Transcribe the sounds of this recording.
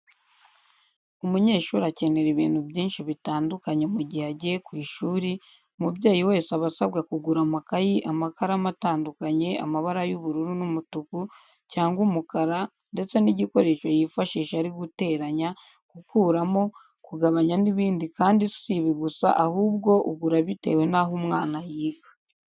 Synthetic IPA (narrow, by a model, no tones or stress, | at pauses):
umuɲe̞ːʃuːɾace̞ne̞ɾiβiːnhubjiːnʃiβitaːndukaɲe̞muɟihaɟekwiːʃuːɾi | mubɟaːjiwe̞ːsaβasabɡakuɡuɾamakajiʔamakaɾamataːndukaɲe̞a̰maβaɾajuβuɾuɾunumutuku | caːŋɡumukaɾa | nde̞t͡se̞niɟiko̞ɾe̞ːʃo̞jifaʃiːʃaɾiɡute̞ːɾaɲa | kukuːɾamo̞ | kuɡaβaɲaniβiːndikaːndisiβiɡusa̰ʔahuːb̚ɡo̞ʔuɡuɾaβite̞̰ːwe̞naɦumŋaːnajiːɡḁ